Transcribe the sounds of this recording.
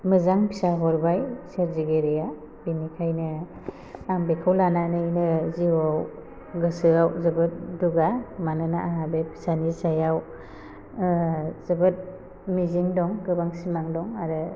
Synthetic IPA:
mɯzaŋpʰisaɦɔɾbajset̚ziɡeɾeja | binikʰajnɯ | aŋbekʰawlananɯjnɯziwaw | ɡɯsɯawzɯbɯt̚duɡamanɯnaʔaɦabepʰi̥sanisajaw | zɯbɯt̚ | miziŋdɔŋɡɯbaŋsimaŋdɔŋaɾɯ

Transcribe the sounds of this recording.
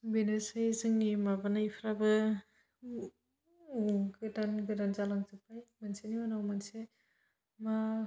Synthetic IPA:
benɯsajzɯŋnimabanaipʰɾabɯ | uɡɯdanɡɯdanzalaŋzɯpʰajmanseniwanawmanse | ma

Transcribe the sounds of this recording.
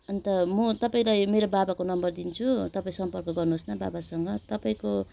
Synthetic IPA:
ʌnt̪ʌmut̪ʌpaĩlajmeɾobabakonʌmbʌrd̪int͡sʰut̪ʌpaĩsʌmpʌrkʌɡʌrnuɦosnaba̰basʌŋɡʌt̪ʌpaĩko

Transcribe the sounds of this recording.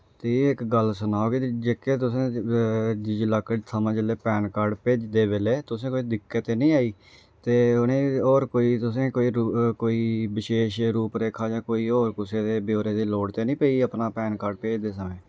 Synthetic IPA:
t̪eːɪkɡəlsʊnaːoːɡeːt̪ed͡ʒeːkeːt̪̬ʊsẽː | d͡ʒɪd͡ʒlaːkːəd͡ʒt̪ʰəmãːd͡ʒəleːpɛːnkəːɾɖpeːd͡ʒd̪eːbeːleːt̪ʊsẽːkoːiːd̪ɪkːət̪eːnĩːaːiː | t̪eːʊnẽːoːɾkoːiːt̪ʊs̬ẽːkoːiːɾkoːiːbɪʃeːʃɾuːpɾeːkʰaːd͡ʒãːkoːiːoːɾkʊseːd̪eːbjoːɾeːd̪iːloːɽt̪eːnĩːpeiːəpnaːpɛːnkəːɾɖpeːd͡ʒd̪eːs̬əmẽː

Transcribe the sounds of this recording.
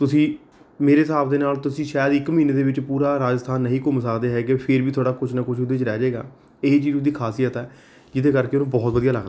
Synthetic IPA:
t̪ʊsĩː | meːɾeːsaːbd̪eːnaːlt̪ʊsĩːʃaːjd̪ɪkməɦiːneːd̪eːʋɪt͡ʃpuːɾaːɾaːd͡ʒəst̪ʰaːnːəɦĩːkʊmsəkd̪eːɦɛːɡeːpʰɪɾbiːt̪ʰoaːɽaːkʊt͡ʃʰnakʊt͡ʃʰʊd̪eːt͡ʃɾɛːd͡ʒaeːɡa̰ː | eːt͡ʃiːzd̪iːkʰaːsiːjət̪ɛː | d͡ʒɪd̪eːkəɾkeːʊnũːbɔːt̪ʋəd̪ijaːləkʰd̪

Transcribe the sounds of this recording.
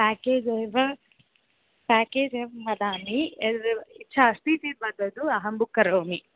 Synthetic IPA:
paːkeːd͡ʒejʋɐ | paːkeːd͡ʒeʋɐmɐd̪aːni | it͡ʃʰaːst̪iːt̪ibɐd̪ːɐd̪uɐɦɐmbukːɐɾoːmi

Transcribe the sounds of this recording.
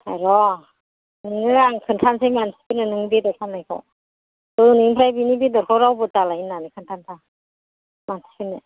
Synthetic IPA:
tʰaɾɔ | nɯŋɯɾaŋkʰɯntʰansajmansʰi̥kɯnɯnɯŋdedɔɾkʰanːajkʰɔ̰ | dɔunɯimpʰɾajbinibidɔɾkʰɔwɾawbɯtalainːanɯkʰɯntʰantʰa | mansʰipʰɯnɯ

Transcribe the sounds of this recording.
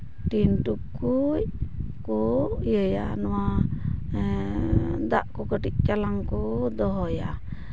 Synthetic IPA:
ʈinʈukkujkɔjəja̰nɔwa | d̪a̰ʔkɔkəʈic̪̚t͡ʃalaŋkɔd̪ɔɦɔja

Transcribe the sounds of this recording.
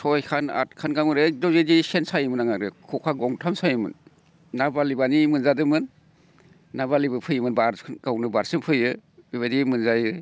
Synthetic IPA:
sʰɔjkʰana̰t̚kʰanɡamɯɾedɔzedisensajɯmɯnaŋaɾɯkʰɔkʰaɡɔŋtʰamsajɯmɯ̰nː | abalibanimɯnzadɯmɯnː | abalibɯpʰɯjɯmɯnbaɾʰnɡawnɯbaɾsɯmpʰɯjɯbiβadimɯnzajɯ

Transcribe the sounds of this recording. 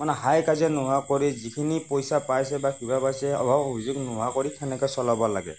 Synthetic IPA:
manɛɦajkazɛnʊɦakɔɹizikʰinipɔjsapajsɛbakʰibapajsɛɔ̰bʱabobʱizʊɡnʊɦakɔɹikʰɛnɛkɔjsɔlɔbɔla̰ɡɛ̰

